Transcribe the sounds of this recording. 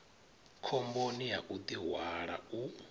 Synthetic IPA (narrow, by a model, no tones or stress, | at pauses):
kʰɔmbonijaʔud̪iɦwaɺau